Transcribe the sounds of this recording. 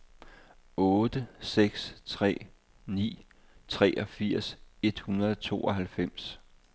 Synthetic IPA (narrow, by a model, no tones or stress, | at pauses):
ɔːd̥əseɡ̥st͡sʰʁɛ̰ː | nḭː | t͡sʰʁɛːʔɒ̽fiɐ̰se̝d̥hunɐðˠɒt͡sʰo̝̰ːɒ̽ɦælfem̰s